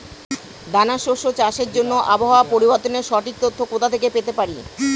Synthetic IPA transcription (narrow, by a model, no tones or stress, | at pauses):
d̪anaʃoʃot͡ɕaʃeɾd͡ʑonːoʔaboɦaoapoɾiboɾt̪oneɾʃɔʈik̚t̪ot̪ʰːokot̪ʰat̪ʰekepet̪epaɾi